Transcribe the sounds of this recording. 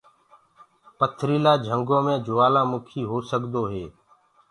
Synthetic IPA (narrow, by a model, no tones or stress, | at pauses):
pət̪ʰɾiːlaːd͡ʒʱəŋɡõːmẽːd͡ʒʊʋaːlãːmʊkʰiːɦoːsəkd̪oːɦeː